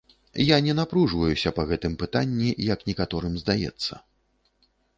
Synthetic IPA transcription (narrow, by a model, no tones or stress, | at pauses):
janʲɛn̪apɾuʐvɐjusʲɐpɐɣɛt̪ɨmpɨt̪anʲːijɐknʲɛkat̪ɔɾɨmzd̪ajɛ̰t̪sːɐ̰